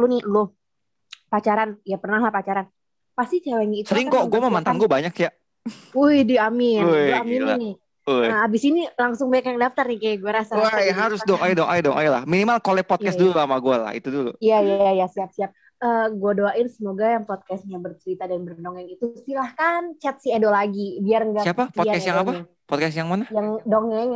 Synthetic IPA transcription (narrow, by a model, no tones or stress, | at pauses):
lʊnɪlo | pat͡ʃaɾanjapərnaɦlahpat͡ʃaɾan | past̪it͡ʃawaŋiit̪səɾɪŋkoɡuaməmant̪anɡuabaɲakja | ujhdiamɪnuamilanɪ | uabɪsinilaŋsʊŋbaɲakjaŋdaft̪arnikajaɡuaɾasaajɦaɾʊsdɔŋajdɔŋʔadɔŋʔa̰jla̰hminimalkolɛpɔt̪̚kɛsdululamaɡuala̰hḭt̪udulṵijajajasiap̚siap̚ | əɡuadoaʔɪnsəmoɡajaŋpɔt̪̚kɛst̪̚ɲabərt͡ʃəɾit̪adanbərdoŋɛŋit̪ust̪ilahkant͡ʃɛt̪̚siedolaɡibiarŋɡasiapapɔt̚kɛsjaŋapa | pɔt̪kɛs̬jaŋmanahjaŋdɔŋɛŋ